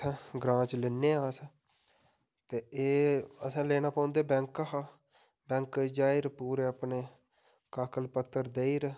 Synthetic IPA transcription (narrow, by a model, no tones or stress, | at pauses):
ɡɾãːt͡ʃlɪnːeːaːs | t̪eːeːəsãːleːnaːpãːnd̪eːbɛ̃ŋkaɦa | bɛ̃ːŋkd͡ʒaːiɾpuːɾeːapneː | kaːkəlpət̪ːəɾd̪eːiɾ